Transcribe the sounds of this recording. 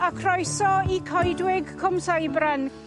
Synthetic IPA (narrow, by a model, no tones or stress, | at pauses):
akʰrɔjsɔikʰɔjdwɪɡkʰɔmsajbrɛn